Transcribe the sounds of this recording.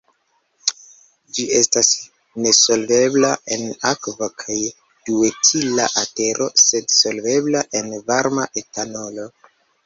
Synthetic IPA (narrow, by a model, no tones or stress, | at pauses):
d͡ʒie̞stas | ne̞so̞lve̞blae̞nakvakʰaj | d̥uetʰilaʔate̞ɾʔo̞̰se̞dso̞lve̞blaʔe̞nvaɾmaʔe̞tano̞lo̞